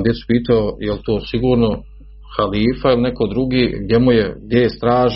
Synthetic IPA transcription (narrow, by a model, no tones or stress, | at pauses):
d̪jet̪su̥piːt̪aojelt̪oːsiɡuːɾno | xaliːfailineko̞d̪ɾuɡiːɡ̚d̪jemujeɡd̪jest̪ɾaːʒ